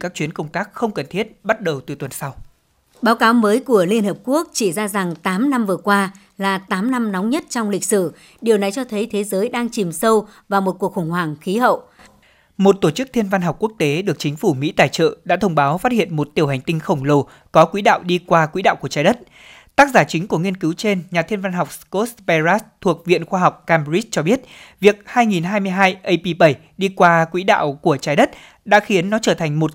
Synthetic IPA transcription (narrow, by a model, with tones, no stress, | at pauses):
kaː˦˥k̚t͡ɕwi˨˦ənkə˧wŋ͡mt̪aː˦˥k̚xə˧wŋ͡mkə˨˩nt̪ʰi˦˥ət̚ɓa˦˥t̚ɗə˨˩wt̪ɨ˨˩t̪wə˨˩nsa˧w | ɓaː˨˦wkaː˨˦wməː˨˦jku˧˩əli˧ənhəː˨˩p̚ku˦˥ək̚t͡ɕi˧˩zaː˧za˨˩ŋt̪aː˨˦mna˧mvɨ˨˩əkwaː˧ | laː˨˩t̪aː˨˦mna˧mnɔ˨˦wŋ͡mɲə˦˥t̚t͡ɕɔ˧wŋ͡mli˨˩k̟̚sɨ˧˩ | ɗi˨˩əwna˨˩jt͡ɕɔ˧t̪ʰə˨˦jt̪ʰe˨˦zəː˨˦jɗaː˧ŋt͡ɕi˨˩msə˧wvaː˨˩wmo˨˩t̚ku˨˩ək̚xə˧˩wŋ͡mhwaː˧˩ŋxi˨˦ɦə̰˧˨wʔ | mo˨˩t̚t̪o˧˩t͡ɕɨ˦˥k̚t̪ʰi˧ənva˧nhɦɔ˨˩wk͡p̚ku˦˥ək̚t̪e˨˦ɗɨ˨˩ək̚t͡ɕï˨˦ŋ̟fu˧˩mḭ˧˥t̪aː˨˩jt͡ɕə̰ː˧˨ɗa̰ː˧˥t̪ʰə˧wŋ͡mɓaː˨˦wfaː˦˥t̚hḭ˧˨ənmo˨˩t̚t̪i˨˩əwha˨˩ŋ̟t̪ï˧ŋ̟xə˧˩wŋ͡mlo˨˩ | kɔ˨˦kwi˨˦ɗa̰ː˧˨wɗi˧kwaː˧kwḭ˧˥ɗa̰ː˧˨wku˧˩ət͡ɕa˨˦ɗə˦˥t̚ | t̪aː˦˥k̚zaː˧˩t͡ɕï˨˦ŋ̟ku˧˩əŋi˧ənkɨ˨˦wt͡ɕe˧nɲaː˨˩t̪ʰi˧ənva˧nɦa˨˩wk͡p̚sko˦˥tpɛ˧za˦˥t̪ʰu˨˩ək̚vḭ˧˨ənxwaː˧ɦa˨˩wk͡p̚ka˧mɹi˦˥t̚t͡ɕɔ˧ɓi˦˥ət̚vi˨˩ək̚haː˧jŋi˨˩nɦaː˧jmɨ˧əjɦaː˧jʔə˧jpi˧ɓə˧˩j | ɗi˧kwaː˧kwḭ˧˥ɗa̰ː˧˨wku˧˩ət͡ɕaː˨˦jɗə˦˥t̚ | ɗa̰ː˧˥xi˨˦ənːɔ˨˦t͡ɕəː˧˩t̪ʰa˨˩jŋ̟mo˨˩t̚